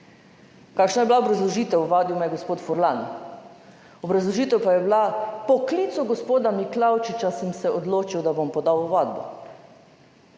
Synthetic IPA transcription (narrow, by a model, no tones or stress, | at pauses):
kaːkʃnajɛblaobɾazlɔʒiːt̪ɛwuʋaːd̪jumajɛɡospoːt̪fɔɾlan | ɔbɾazlɔʒiːt̪ɛwpajɛblapɔkliːt̪sɔɡospoːd̪amiklawt͡ʃit͡ʃasɛmsɛʔod̪loːt͡ʃiwd̪abompɔd̪awuʋaːd̪̚bɔ̰